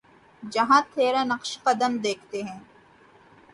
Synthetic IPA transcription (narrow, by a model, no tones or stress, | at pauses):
d͡ʒɐɦãt̪ʰeːɾanɐqʃqɐd̪əmd̪eːkʰt̪eɦɛ̃ː